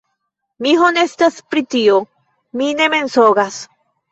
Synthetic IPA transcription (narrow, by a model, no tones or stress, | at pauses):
miɦonest̪aspɾit̪io | minemensoɣas